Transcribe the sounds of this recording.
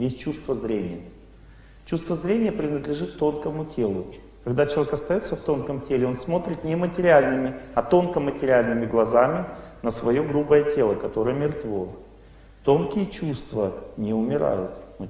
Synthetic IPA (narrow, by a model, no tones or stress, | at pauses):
jesʲt͡ɕust̪vəzɾʲenʲɪjə | t͡ɕust̪vəzɾʲenʲɪjəpɾʲɪnəd̪lʲɪʐɨt̪ːo̞nkəmʊtʲʰe̞lˠʊ | kɐɡd̪at͡ɕɪlˠɐvʲekɐst̪ɐjo̞t̪sːəft̪o̞nkəmtʲelʲɪo̞nsmo̞t̪ɾʲɪt̪nʲɪmətʲɪɾʲɪalʲnɨmʲɪɐt̪o̞nkəmətʲɪɾʲɪalʲnɨmʲɪɡlˠɐzamʲɪnəsvɐjo̞ɡɾubəjətʲe̞lˠəkɐt̪o̞ɾəjəmʲɪrt̪vo̞ | t̪o̞nkʲɪjət͡ɕust̪vənʲɪʊmʲɪɾa̰jʊt̪m